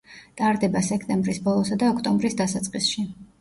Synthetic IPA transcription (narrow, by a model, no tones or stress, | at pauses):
t̪ʼaɾd̪ɛbasɛkʰt̪ʼɛmbɾisbɔlˠɔsad̪aɔkʰt̪ʼɔmbɾisd̪asat̪sʼqʼisʃi